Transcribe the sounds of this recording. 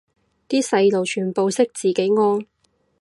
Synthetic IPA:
t̪iː˥sɐ˧jlo˨wt͡ʃʰyː˨˩npo˨wsɪ˥k̚t͡siː˨˩ke˨˥jŋɔː˥ŋ

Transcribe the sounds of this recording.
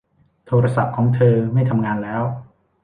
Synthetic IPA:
t̪ʰoː˧ɾa˧sa˨˩p̚kʰɔː˩˦ŋt̪ʰɤː˧ma˥˩jt̪ʰa˧mŋaː˧nlɛː˦˥w

